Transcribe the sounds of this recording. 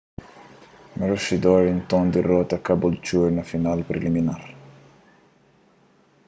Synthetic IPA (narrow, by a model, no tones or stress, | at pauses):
meɾusid̪ɔɾẽnt̪ɔ̃nd̪irɔt̪ɐkabult͡ʃuɾnɐfinalpɾeliminaɾ